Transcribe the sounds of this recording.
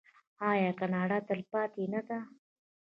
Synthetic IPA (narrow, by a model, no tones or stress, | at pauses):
ɑjɑkanɑɽat̪əlpɑt̪enad̪a